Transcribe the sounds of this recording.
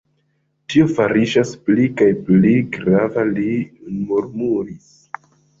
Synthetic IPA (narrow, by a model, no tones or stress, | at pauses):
tiofaɾiʒasplikajpliɡɾavalimuɾmuɾis